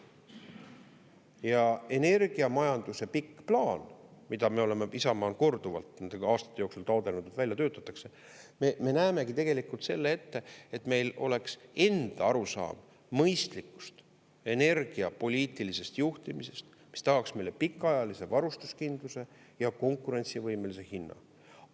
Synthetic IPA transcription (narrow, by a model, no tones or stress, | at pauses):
jɑe̞ne̞rɡ̥iɑmɑjɑnd̪̥use̞pikːplɑːnmid̪̥ɑme̞o̞le̞me̞isɑmɑːnko̞rd̪̥uvɑ̰lt̪nend̪eɑːst̪ɑ̥t̪ːˑe̞joksult̪ɑod̪enud̪ut̪vælʲjɑt̪øːt̪ːˑɑt̪ːˑɑkse̞ | meme̞næːme̞ɡit̪e̞ɡ̥e̞likult̪se̞lːee̞t̪ːe̞et̪me̞jlo̞̰le̞kse̞nd̪̥ɑɑɾusɑ̰ːmː | ɤjst̪likːˑu̥st̪ | e̞ne̞rɡ̥iɑpo̞lʲiːt̪ˑilise̞st̪juht̪imise̞st̪ | mi̥st̪ɑhɑksmejle̞pikːˑɑjɑlise̞vɑɾust̪uskind̪̥luse̞ | jɑko̞ŋkːˑuɾe̞nʲt̪sivɤjme̞lise̞hinːɑ̰